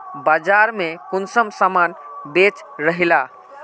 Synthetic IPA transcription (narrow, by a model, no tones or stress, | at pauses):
bad͡ʒaɾmekʊnsəmsamanbet͡ʃ | ɾəɦila